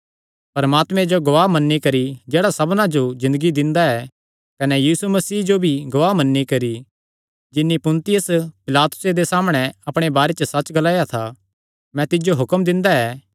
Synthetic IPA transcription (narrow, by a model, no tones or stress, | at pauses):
pɐɾɐmaːt̪mɛ̃d͡ʒoɡɐʋaːɦmɐnːikɐɾid͡ʒeːɽasɐbnãd͡ʒozɪ̃nd̪əɡid̪ɪ̃nd̪aɛ | kɐnɛjiːsumɐsiːd͡ʒobʱiɡɐʋaːɦmɐnːikɐɾi | d͡ʒɪnːipʊ̃nt̪ɪjəspɪlaːt̪ʊ̥sed̪esaːmɽ̃ɛ̃ɐpɽ̃ebaːɾet͡ʃəsɐt͡ʃɡɐlaːjat̪ʰa | mɛ̃t̪ɪd͡ʒoɦʊkəmd̪ɪ̃nd̪aɛː